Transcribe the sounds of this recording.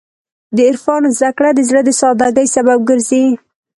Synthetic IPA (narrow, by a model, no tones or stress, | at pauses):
d̪əɪɾfɑnozd̪akɽad̪əzɽəd̪əsɑd̪aɡəjsabab̚ɡəɾzi